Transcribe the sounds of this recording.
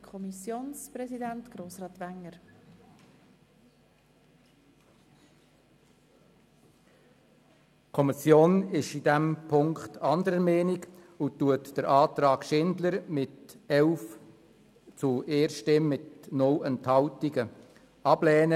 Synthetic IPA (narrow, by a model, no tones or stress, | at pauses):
kʰɔmisjoːnsprɛzidæntɡ̥ɾoːsɾɑːt̪ʋæŋːəɾ | kʰɔmisjoːnɪʃidæmpʰʊŋkt̪ʰɑnd̪əɾəmɛːniɡ | ʊtuətd̥əɾʔɑːt̪ɾɑːkʃɪndləɾmɪtɛlf | t͡sueːɾʃtɪmːɪtnʊlɛnthɑltiɡə | ɑblɛːnə